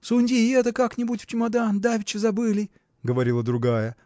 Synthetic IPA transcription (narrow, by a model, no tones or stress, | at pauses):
sunʲdʲiɛt̪əkaknʲɪbutʲft͡ʃɪmad̪and̪avʲɪt͡ɕɪzɐbɨlʲɪ | ɡəvɐɾʲilˠəd̪ɾʊɡajə